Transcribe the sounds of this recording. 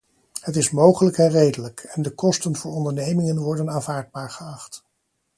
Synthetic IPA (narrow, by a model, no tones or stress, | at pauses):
ɦətɪsmowχələkɛnrejdələkɛndəkɔstənvʊːɹɔndəɹnejmɪŋənʋɔɹdənaːnvaːɹd̚baːɹχəɑχt